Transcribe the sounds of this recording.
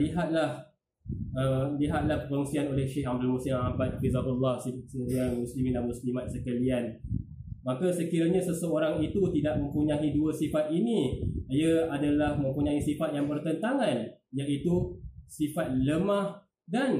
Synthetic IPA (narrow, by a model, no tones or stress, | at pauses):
liɦat̪̚lah | əmliɦat̪̚lahpəklɔŋsianolɛhʃehamdalmusɪmabat̪̚fizakulːɑhsisəjamuslimindanmuslimat̪̚səkəlian | makasəkiɾaɲasəsəoɾaŋit̪ut̪idaʔ̚mə̃mpuɲãɦiduəsifat̪̚inijəadalahmə̃mpuɲaisifat̪̚jaŋbərt̪ənt̪aŋanjaʔit̪usifat̪̚ləmãh | dan